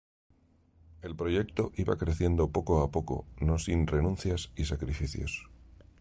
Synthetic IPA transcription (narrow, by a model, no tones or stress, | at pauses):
e̞lpɾo̞ʝe̞kt̪o̞ʔiβa̰kɾe̞θje̞nd̪o̞po̞ko̞apo̞ko̞̰no̞sinre̞nũnθjasisakɾifiθjo̞̰s